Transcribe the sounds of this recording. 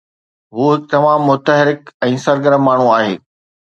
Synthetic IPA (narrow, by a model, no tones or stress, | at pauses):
ɦuːɦɪk̚t̪ɐmaːmːʊt̪əɦɪɾɪkɛ̃ːsɐɾɡəɾəmːaːɳ̤uaːɦḛː